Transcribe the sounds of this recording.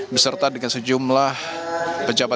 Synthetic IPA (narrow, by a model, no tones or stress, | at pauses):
bəsərt̪adəŋansəd͡ʒumlah | pəd͡ʒaba